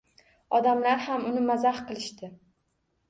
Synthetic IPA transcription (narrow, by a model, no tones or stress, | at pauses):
ɒd̪amlaɾhamʊnɪmazahqɨlˠɪʃt̪ɪ